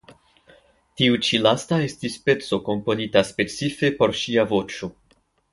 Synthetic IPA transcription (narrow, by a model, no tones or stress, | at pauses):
tiut͡ʃilastae̞stispe̞t͡so̞ko̞mpo̞nitaspe̞t͡sife̞po̞ɾʃiavo̞t͡ʃo̞